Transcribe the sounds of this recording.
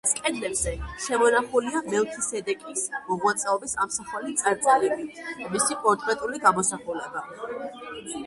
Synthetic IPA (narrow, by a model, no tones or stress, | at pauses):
skʼɛd̪lɛbz̥ɛʃɛmɔnaχuliamɛlˠt̪ʰisɛd̪ɛkʼismɔʁwat̪sʼɛɔbisamsaχwalit̪sʼaɾd̪zʼalɛbit̪ʰmisikʼɔnt̪ʼɾɛt̪ʼuliɡamɔsaχulaba